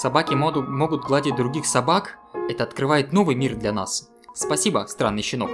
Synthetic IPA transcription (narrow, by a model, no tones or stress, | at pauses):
sɐbakʲɪmo̞ɡʊt̪̚ɡlˠadʲɪt̚ʲd̪ɾʊɡʲixsɐbakɛt̪əɐt̪kɾɨvajɪt̪no̞vɨjmʲird̪lʲɐna̰s | spɐsʲibəst̪ɾanːɨjɕːɪno̞k